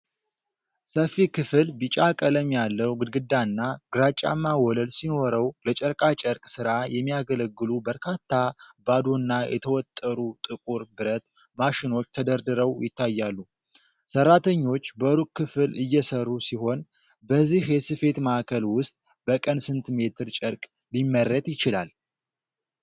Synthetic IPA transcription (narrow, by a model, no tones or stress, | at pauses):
səfːikʰɨfɨlbɨt͡ʃʼakʼələmjalːəwɡɨd̪ɡɨd̪ːanːaɡ̥ɨɾat͡ʃʼa̰mːawɔləlsino̞ɾəwlət͡ʃʼəɾkʼat͡ʃʼəɾkʼsɨɾajɛmːijaɡələɡːɨlubəɾkʰat̪ʰːabad̪onːajʔɛ̰t̪ʰəwɔt̪ʼːəɾut̪ʼɨkʼuɾbɨɾət̪ | maʃɪno̞t͡ʃːt̪ʰəd̪əɾd̪ɨɾəwjɪt̪ʰːajːalːu | sərːat̪ʰəɲːo̞t͡ʃːbəɾukʰːɨfɨlɨjːɛsərːusiho̞n | bəzːihjɛsɨfe̞t̪maakʰəlwʊst̪ʼ | bəkʼənsɨnt̪ʰme̞t̪ʰɨɾt͡ʃʼəɾkʼ | limːəɾːət̪jɪt͡ʃɪlal